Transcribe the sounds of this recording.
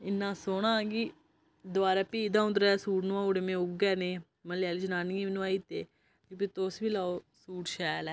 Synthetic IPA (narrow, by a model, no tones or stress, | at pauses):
ɪnːãːsoːɽ̃ãːɡiː | d̪ʊʋaːɾaːpiːd̪ãːʊnd̪ɾɛːsuːʈnãːoːɽemẽːʊɡɛːnẽː | məljaːlid͡ʒənaːniĩːʋnũaːiːt̪eː | kipit̪oːsʋiːlaːoː | suːʈʃɛːlɛː